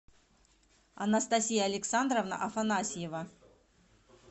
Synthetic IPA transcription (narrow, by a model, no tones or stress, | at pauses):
ɐ̰nɐst̪ɐsʲijaːlʲɪksand̪ɾəvnə̰ʔɐfɐnasʲɪjevə